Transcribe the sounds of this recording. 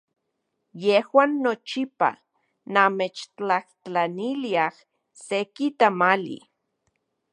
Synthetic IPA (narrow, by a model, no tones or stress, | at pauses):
jehwaːnːot͡ʃipa̰ | namet͡ʃt͡ɬaht͡ɬt͡ɬaniliah | sekit̪amalḭ